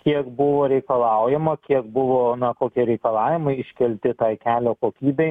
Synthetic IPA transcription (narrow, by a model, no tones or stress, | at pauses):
kʲiɛkbʊʋoːɾʲɛɪkɐlˠɑʊjɛmɐkʲiɛkbʊʋoːnɐkoːkʲiɛɾʲɛɪkɐlˠɑːʋʲɪmɐɪɪʃʲkʲɛlʲt̪ʲɪt̪ɑːɪkʲæːlʲoːkoːkʲiːbʲɛɪ